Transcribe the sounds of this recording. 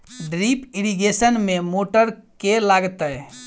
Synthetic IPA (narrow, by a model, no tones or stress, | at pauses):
ɖɾipiɾiɡesənmemoʈəɾkelaɡt̪əj